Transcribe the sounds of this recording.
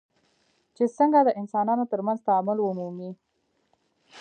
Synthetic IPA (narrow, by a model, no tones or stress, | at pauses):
t͡ʃesəŋɡad̪əʔɪnsɑnɑnot̪əɾmanzt̪aːmʊlwumumi